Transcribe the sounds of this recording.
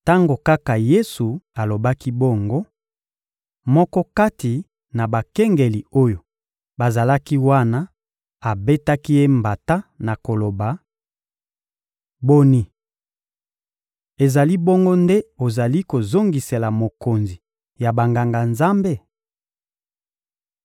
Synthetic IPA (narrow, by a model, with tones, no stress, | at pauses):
ta˦ŋɡo˨ka˦ka˨je˦su˨a˨lo˨ba˦ki˦bɔ˦ŋɡo˦ | mɔ˦kɔ˦ka˦ti˨ | na˨ba˨kɛ˦ŋɡe˨li˨o˦jo˨ | ba˨za˨la˦ki˦wa˦na˦ | a˨be˦ta˦ki˦je˦mba˨ta˦na˨ko˨lo˨ba˨ | bo˦ni˦ | e˨za˨li˦bɔ˦ŋɡo˦nde˦o˨za˨li˦ko˨zo˦ŋɡi˨se˨la˨mo˨ko˨nzi˨ | ja˨ba˨ŋɡa˨ŋɡa˨nza˦mbe˦˨